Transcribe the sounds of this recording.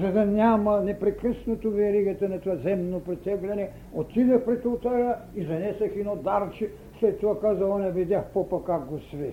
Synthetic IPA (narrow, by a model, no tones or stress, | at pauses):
zɐd̪ɐnʲamɐnɛpɾɛkɾəsnot̪ovɛɾiɡɛt̪ɐnɐt̪oazɛmnopɾɛt̪ɛɡlʲɛnɛ | ot̪id̪ɛxpɾɛt̪ulˠt̪aɾa | izɐnɛsɛxinod̪aɾt͡ʃi | slɛt̪ːoakazɐlˠɐnɛvid̪ʲaxpopɐkaɡɡosvɛ